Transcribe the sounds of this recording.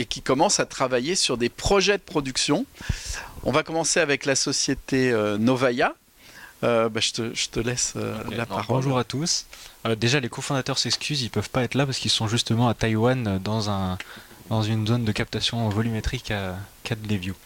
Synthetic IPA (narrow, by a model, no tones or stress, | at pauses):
ekʲikɔmɑ̃sat̪χavajesyʁd̪epχɔʒɛd̪əpχɔd̪yksjɔ̃ | ɔ̰̃vakɔmɑ̃seavɛklasɔsjet̪eønɔvaja | øbaʒə̥t̪əʒ̥ət̪əlɛsø̰lapaʁbɔɔ̃ʒuʁat̪usød̪eʒalekofɔ̃d̪at̪œʁsɛkskʲyzilpœvpaɛt̪χlapaʁskilsɔ̃ʒyst̪əmɑ̃at̪ajwanød̪ɑ̃zɛ̃d̪ɑ̃zynzond̪əkap̚t̪asjɔ̃vɔlymet̪χikakad̪d̪evju